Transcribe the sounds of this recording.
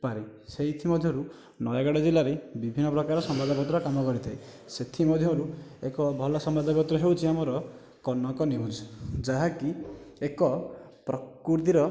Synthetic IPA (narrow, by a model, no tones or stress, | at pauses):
paɾiseit̪ʰimɔd̪ʱjɔɾu | nɔjaɡaɽɔd͡ʒilaɾebibʱinːɔpɾɔkaɾɔsɔmbad̪ʱɔɡɔt̪ɾɔkamɔkɔɾit̪ʰai | set̪ʰimɔd̪ʱjɔɾuekɔbʱɔlɔsɔmbad̪ɔɡɔt̪ɾɔɦewt͡ʃʰiamɔɾɔ | kɔnɔŋkɔniud͡ʒd͡ʒaɦakiekɔ | pɾɔkuɾd̪iɾɔ